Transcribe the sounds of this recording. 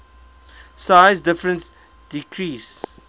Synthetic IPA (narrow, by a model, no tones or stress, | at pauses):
saɪzdɪfɹə̃nt | d̥ikʰɹiːs